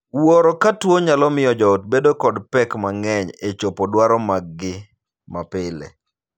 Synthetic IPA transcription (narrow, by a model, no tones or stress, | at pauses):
woɾɔkatwoɲalɔmɪjɔd͡ʒɔot̚bedokɔdpɛkmaŋɛɲet͡ʃopodwaɾɔmaɡɡɪ | mapɪlḛ